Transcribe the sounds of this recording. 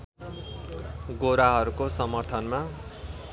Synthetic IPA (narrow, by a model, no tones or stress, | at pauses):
ɡoɾaɦʌɾukosʌmʌrt̪ʰʌnma